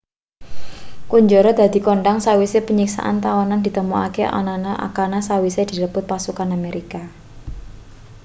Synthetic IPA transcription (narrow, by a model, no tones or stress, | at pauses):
kuɲd͡ʒɔɾɔd̪̥a̤d̪̥i̤kɔɳɖaŋsawisepəɲiksa̰ʔa̰nt̪awanand̪i̤t̪əmua̰keʔa̰nanaʔa̰kanasawised̪̥i̤ləpʊt̪̚pasukanameɾʔika